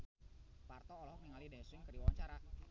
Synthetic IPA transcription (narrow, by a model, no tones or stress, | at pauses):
part̪ɔːlɔɦɔniŋalidaswɪŋkərdiwawaɲt͡ʃaɾa